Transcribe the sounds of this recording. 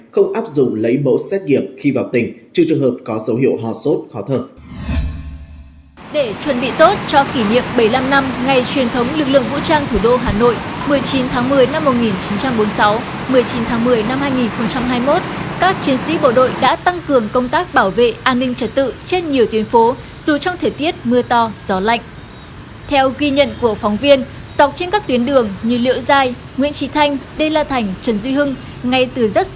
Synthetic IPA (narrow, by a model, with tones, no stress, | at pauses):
xə˧wŋ͡mʔaː˦˥p̚zʊ̰˧˨ŋ͡mlə˨˦jmo̰˧˥sɛ˦˥t̚ŋi˧˩əmxi˧vaː˨˩wt̪ï˨˩ŋ̟t͡ɕɨ˨˧˩t͡ɕɨ˨˩əŋɦəː˨˩p̚kɔ˨˦zə˨˦whi˧˩əwɦɔ˨˩so˦˥t̚kɔ˨˦t̪ʰəː˧˩ | ɗe˧˩t͡ɕwə˨˩nɓḭ˧˨t̪o˦˥t̚t͡ɕɔ˧ki˧˩ɲḭ˧˨əmɓə˧˩jla˧mna˧mŋa˨˩jt͡ɕwi˨˩ənt̪ʰə˨˦wŋ͡mlɨ˨˩k̚lɨ̰˧˨əŋvṵ˧˥t͡ɕaː˧ŋt̪ʰu˧˩ɗo˧ɦaː˨˩no̰˧˨jmɨ˨˩əjt͡ɕi˨˦nt̪ʰaː˨˦ŋmɨ˨˩əjna˧mːo˨˩t̚ŋi˨˩nt͡ɕi˨˦nt͡ɕa˧mɓo˨˦nsa˨˦w | mɨ˨˩əjt͡ɕi˨˦nt̪ʰaː˨˦ŋmɨ˨˩əjna˧mhaː˧jŋi˨˩nxə˧wŋ͡mt͡ɕa˧mɦaː˧jmo˦˥t̚kaː˦˥k̚t͡ɕi˨˦ənsḭ˧˥ɓo̰˧˨ɗo̰˧˨jɗa̰ː˧˥t̪a˧ŋkɨ˨˩əŋkə˧wŋ͡mt̪aː˦˥k̚ɓaː˧˩wvḛ˧˨ʔaː˧nːï˧ŋ̟t͡ɕə˧˩t̚t̪ɨ̰˧˨t͡ɕe˧nɲi˨˩əwt̪wi˨˦ənfo˨˦ | z̥u˨˩t͡ɕɔ˧wŋ͡mt̪ʰəː˨˩jt̪i˦˥ət̚mɨ˧ət̪ɔ˧z̥ɔ˨˦la̰˧˨jŋ̟ | t̪ʰɛ˧wɣi˧ɲə̰˧˨nku˧˩əfɔ˨˦wŋ͡mvi˧ən | z̥a˨˩wk͡p̚t͡ɕe˧nkaː˦˥kt̪wənɗɨ˨˩əŋɲɨ̰˧lḭ˧˥əwzaː˧j | ŋḭ˧˥ənt͡ɕi˨˦t̪ʰa˧jŋ̟ɗə˧jlaː˧˩t̪ʰa˨˩jŋ̟t͡ɕə˨˩nzwi˧ɦɨ˧ŋ | ŋa˧jt̪ɨ˨˩zə˦˥t̚